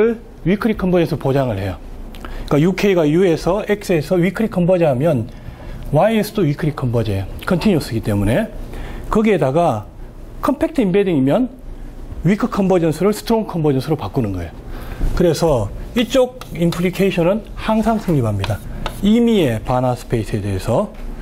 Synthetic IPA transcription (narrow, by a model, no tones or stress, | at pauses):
ɯɭ | ɥikʰɯɾikʰʌmbʌd͡ʑʌnsʰʌpod͡ʑaŋɯɭhe̞jʌik͈ajukʰe̞iɡajue̞sʰʌek̚s͈esʰʌɥikʰɯɾikʰʌmbʌd͡ʑiɦamjʌn | wainsʰɯ̥doɥikʰɯɾikʰːʌmbʌd͡ʑekʰʌntʰiɲus͈ʰɯɡit͈e̞mune̞kɯɡiedaɡa | kʰʌmpʰe̞k̚tʰɯimbediŋimjʌn | ɥikʰɯkʰʌmbʌd͡ʑʌnsʰɯɾɯɭsʰɯ̥tʰɾoŋkʰʌmbod͡ʑʌnsʰɯɾopak͈unɯnɡʌejokɯɾe̞sʰʌit͡ɕ͈oɡ̚ | impʰɾikʰeiɕʰʌnɯnhaŋsʰaŋsʰɯŋɲibɦamɲidaimie̞panasʰɯ̥pʰe̞isʰɯe̞de̞ːsʰʌ